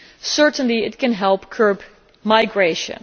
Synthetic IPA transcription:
sɜɹtə̃nliɪt̚kɨ̃nɦɛlˠpkʰɜ˞b | maɪɡɹeʃə̰̃n

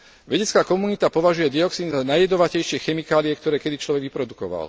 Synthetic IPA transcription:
ʋɛɟɛt͡skaːkɔmunit̪apɔʋaʒujɛd̪iɔksiːnzanajːɛd̪ɔʋacɛjʃɪɛxɛmikaːliɛkt̪ɔɾɛːkɛd̪it͡ʃlɔʋɛɡʋipɾɔd̪ukɔʋa̰l

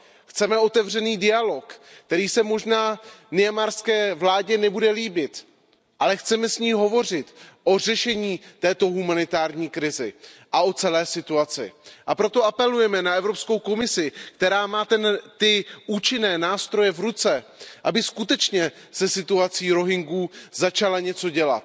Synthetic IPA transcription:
xt͡sɛmɛʔo̞t̪ɛvr̝ɛniːdɪalo̞k | t̪ɛɾiːsɛmo̞ʒnaːnɪjamaːɾskɛːvlaːɟɛnɛbudɛliːbɪt̪ | ʔalɛxt͡sɛmɛsɲiːɦo̞vo̞rɪt̪ʔo̞r̝ɛʃɛɲiːt̪ɛːt̪o̞ɦumanɪt̪aːɾɲiːkɾɪzɪ̰ʔaʔo̞t͡sɛlɛːsɪt̪uat͡sɪ̰ʔapɾo̞t̪o̞apɛlujɛmɛnaʔɛvɾo̞psko̞wko̞mɪsɪkt̪ɛɾaːmaːt̪ɛnt̪ɪuːt͡ʃɪnɛːnaːst̪ɾo̞jɛvɾut͡sɛʔabɪskut̪ɛt͡ʃɲɛ | sɛsɪt̪uat͡siːɾo̞ɦɪŋɡuːzat͡ʃalaɲɛt͡soɟɛla̰t̪

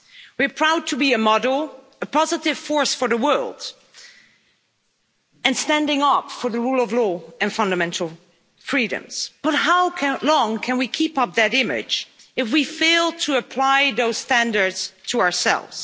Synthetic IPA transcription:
wiɹpʰɹ̥aʊd̚tʰɨbiɨmɑɾl̩ˠ | əpʰɑzɨɾɨv̥fɔɹsfə˞ðəwɜ˞lˠd | ɨ̃nstæ̃ndɪ̃ŋʌpfə˞ðəɹulˠʌvlɔɨ̃nfʌ̃ndəmɛ̃ntʰˡl̩ˠ | fɹiɾɨ̰̃mz̥b̥ʌt̚ɦaʊlɔ̃ŋkʰɨ̃nwikʰipʌp̚ðɨɾɪ̃mɪ̰d͡ʒɨfwifeɪlˠtʰɨəpʰl̥aɪðoʊz̥stæ̃ndə˞dz̥tʰəaə˞sɛ̰lˠvz̥

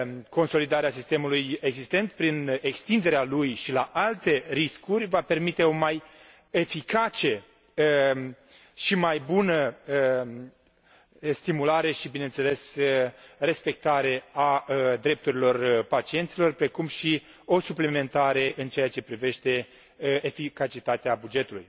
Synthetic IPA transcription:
ko̞nso̞lid̪aɾeasist̪e̞muluje̞ɡzist̪e̞nt̪pɾine̞kst̪ind̪e̞ɾealujʃilaʔalt̪e̞ɾiskurʲvape̞rmit̪e̞o̞maj | e̞fikat͡ʃe̞ | ʃimajbunəə | st̪imulaɾe̞ʃibinent̪se̞le̞səre̞spe̞k̚t̪aɾe̞ad̪ɾe̞p̚t̪uɾilo̞rpat͡ʃient̪silo̞rpɾe̞kumʃi | o̞suplime̞nt̪aɾe̞ʔɨnt͡ʃeat͡ʃe̞pɾive̞ʃt̪e̞ | efikat͡ʃit̪at̪eabud͡ʒe̞t̪ulṵj

